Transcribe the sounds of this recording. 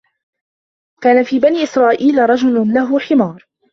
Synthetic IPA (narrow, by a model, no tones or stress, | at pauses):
kaːnafiːbaniːʔɪsɾˤɑːʔiːlɾˤɑd͡ʒʊllaɦʊħɪmɑːɾˤ